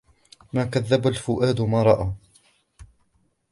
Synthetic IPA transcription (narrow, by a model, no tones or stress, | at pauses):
maːkaðːabalfʊʔaːd̪mɑɾˤɑʔa